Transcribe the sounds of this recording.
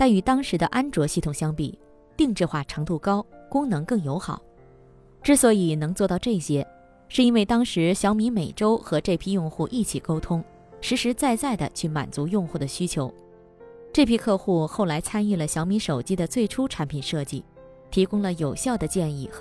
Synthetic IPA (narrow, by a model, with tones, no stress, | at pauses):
t̪a˥˩ny˧˩t̪ɑ˥ŋʂɻ̩˧˥d̪ə˧ʔa˥nʈ͡ʂwɔ˧˥ɕi˥˩t̪ʰʊ˨˩ŋɕjɑ˥ŋpi˨˩ | t̪i˥˧ŋʈ͡ʂɻ̩˥˧xwa˥˩ʈ͡ʂʰɤ˧˥ŋt̪u˥˩kɑ˥ʊkʊ˥ŋnɤ˧˥ŋkɤ˥˩ŋjo˧˥ʊxɑ˨˩˦ʊ | ʈ͡ʂɻ̩˥˩swɔ˧˥i˨˩nɤ˧˥ŋt͡swɔ˥˧t̪ɑ˥˧ʈ͡ʂɤ˥˩i˩ɕjɛ˥ | ʂɻ̩˥˩i˥nwe˥˩ɪt̪ɑ˥ŋʂɻ̩˧˥ɕjɑ˧˥ʊmi˧˥me˨˩ɪʈ͡ʂo˥ʊxɤ˧˥ʈ͡ʂɤ˥˩pʰi˥jʊ˥˧ŋxu˥˧ʔi˥˩t͡ɕʰi˨˩ko˥ʊt̪ʰʊ˥ŋ | ʂɻ̩˧˥ʂɻ̩˧˥t͡sa˥˧ɪt͡sa˥˩ɪd̪ə̰˩t͡ɕʰy˥˩ma̰˨˩nt͡su˧˥jʊ˥˧ŋxu˥˩d̪ə˩ɕy˥t͡ɕʰjo˧˥ʊ | ʈ͡ʂɤ˥˩pʰi˥kʰɤ˥˧xu˥˧xo˥˩ʊla˧˥ɪt͡sʰa˥ny˥˩lə˩ɕjɑ˧˥ʊmi˧˥ʂo˨˩ʊt͡ɕi˥d̪ə˨t͡swe˥˩ɪʈ͡ʂʰu˥ʈ͡ʂʰa˧˥npʰi˨˩nʂɤ˥˧t͡ɕi˥˩ | t̪ʰi˧˥kʊ˥ŋlə˨jo˨˩ʊɕjɑ˥˩ʊd̪ə˩t͡ɕjɛ˥˧ni˥˩x